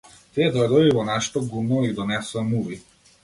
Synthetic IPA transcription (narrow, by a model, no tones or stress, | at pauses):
t̪iɛd̪ɔjd̪ɔjbivɔnaʃɛ̥t̪ɔɡumɔid̪ɔnɛsamuvi